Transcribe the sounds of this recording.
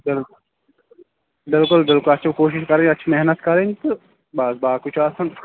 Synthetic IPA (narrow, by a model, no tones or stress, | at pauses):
bɪl | bɪlkʊlbɪlkʊlɐtːt͡ʃʰikoːʃ̬ɪʃkɐɾẽɲɐtːt͡ʃʰimɛɦnət̪kɐɾeɲt̪ɨ | baːsbaːkʊt͡ʃʰaːsɐn